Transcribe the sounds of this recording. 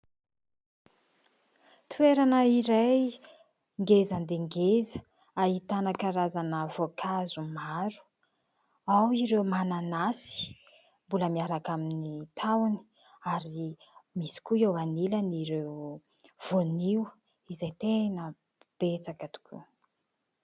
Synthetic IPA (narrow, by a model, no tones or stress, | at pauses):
t̪ueɾanəiɾaj | ŋɡezand̪eŋɡezə̥ | aɦit̪anakaɾazanəvokʰazumaɾu̥ | awiɾewmananasi̥ | mbuləmiaɾakaminit̪ʰawni̥ | aɾi | misi̥kuewaniləniɾew | v̥oniw | izajt̪enə | b̥et͡sakət̪u̥kʰṵ